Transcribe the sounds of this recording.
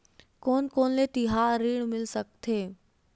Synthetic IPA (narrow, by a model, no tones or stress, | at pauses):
koːnkoːnlet̪ɪɦaːɾiːɽ̃mɪlsək̚t̪ʰeː